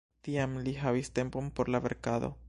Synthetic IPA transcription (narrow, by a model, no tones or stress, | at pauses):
d̪̥iamliɦaβist̪empompoɾlaβeɾkaðo̰